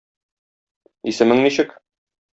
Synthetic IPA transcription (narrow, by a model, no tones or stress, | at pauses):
isɘ̆mɘŋniɕɘk